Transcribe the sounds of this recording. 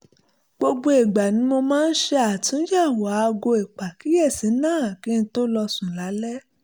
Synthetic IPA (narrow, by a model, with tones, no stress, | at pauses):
ɡ͡bo˧ɡ͡bo˧e˨ɡ͡ba˨nĩ˨˦mo˧mãː˦˧˦n̩˦ʃe˧a˨tĩ˨˦ja˦˨wa˨˦˧ɡo˧e˨k͡pa˨ki˨˦jɛ˦˨sĩ˨˦nãː˦˨ki˦n̩˧˦to˦lɔ˧sũ˨la˨˦lɛ˦